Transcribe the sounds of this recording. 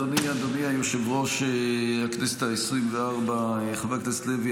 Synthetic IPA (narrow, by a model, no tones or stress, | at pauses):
oniad̪oniajoʃevʁo̞ʃeakneset̪aesʁimveaʁbajeχavekt̪aslevi